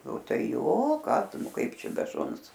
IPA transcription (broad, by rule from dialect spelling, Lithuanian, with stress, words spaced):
oː ˈtɐɪ ˈjoː ˈkɑː ˈtʊ ˈnʊ ˈkɐɪp ˈt͡ʃʲɛ bʲɛ ˈʃʊns